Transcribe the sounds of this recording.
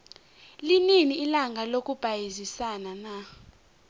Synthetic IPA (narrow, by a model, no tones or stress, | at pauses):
lininiːlaŋɡʱalok̬ʼub̥ʱajizisanana